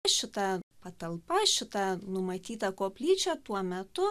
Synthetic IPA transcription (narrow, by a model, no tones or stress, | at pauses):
ʃʲɪt̪ɐpɐt̪ɐlˠpɐʃʲɪt̪ɐnʊmɐt̪ʲiːt̪ɐkoːpʲlʲiːt͡ʃʲɛt̪uɔmʲɛt̪ʊ